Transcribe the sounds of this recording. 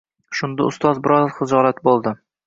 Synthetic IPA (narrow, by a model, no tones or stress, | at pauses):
ʃʊnd̪aʊst̪ɒzbɪɾɒzχɨd͡ʒɒlat̪̚bolˠd̪ɪ